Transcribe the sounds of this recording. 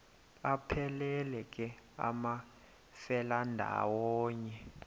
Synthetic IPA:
apʰɛlɛlɛk̬ʼɛa̰ma | fɛlandʱa̰wɔːɲɛ

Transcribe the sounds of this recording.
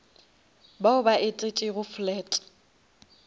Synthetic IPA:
baʊbaʔɪt͡sʼet͡ʃʼɪɣʊflɛːtʼ

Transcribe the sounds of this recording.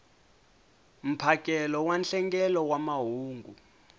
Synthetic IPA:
m̩pʰak̬ʼɛlɔwanɬɛŋɡɛlɔwamaɦuːŋɡu

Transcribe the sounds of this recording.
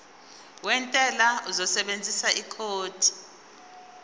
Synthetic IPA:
wɛntʼɛlauzɔsɛɓend͡zʱisaikʰoːd̥ʱi̥

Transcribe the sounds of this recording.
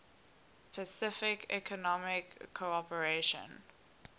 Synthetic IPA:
pʰəsɪfɪkʰɛ̰kʰɔnɔmɪkʰːoɔpəɹeʃə̰̃n

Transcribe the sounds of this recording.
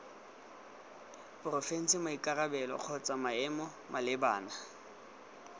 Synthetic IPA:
pʼʊrɔfen̩simaikʼarabɛlɔ̰k͡xʰɔt͡sʼamaɛmɔ | mʔalɪbaːna

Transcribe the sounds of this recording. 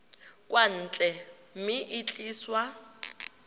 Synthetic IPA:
kʼwan̩ːt͡ɬʼɛ | m̩mɪʔɪt͡ɬʼiːswa

